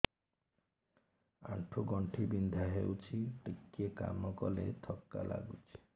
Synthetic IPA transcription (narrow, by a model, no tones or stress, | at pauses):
a̰ʈʰuɡɔɳʈʰibind̪ʱaɦewt͡ʃʰiʈikːieka̰mɔkɔlḛt̪ʰɔkːa̰la̰ɡut͡ʃʰi̥